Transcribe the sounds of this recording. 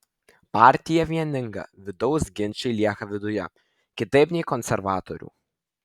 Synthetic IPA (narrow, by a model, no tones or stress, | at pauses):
paːˑɾʲt̪ʲɪjɛʋʲiɛnʲɪŋɡɐ̰ʋʲɪd̪ɔʊsɡʲɪnʲt͡ʃʲɛɪlʲiɛxɐʋʲɪd̪ʊjɛ̰ | kʲɪt̪ɐɪpʲnʲɛɪkɔnʲsʲɛɾʋɑːt̪ɔɾʲṵː